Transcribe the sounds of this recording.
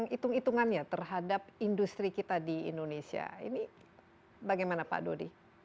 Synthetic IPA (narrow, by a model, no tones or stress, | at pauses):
ŋit̪uŋit̪uŋanɲat̪ərɦadap̚indust̪ɾikit̪adiḭndonesia̰ḭni | baɡajmanapa̰dodi